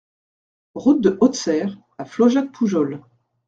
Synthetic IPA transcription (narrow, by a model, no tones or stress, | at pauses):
ʁut̪̚d̪əʔɔt̪sɛʁ | aflɔʒak̚pʰuʒɔl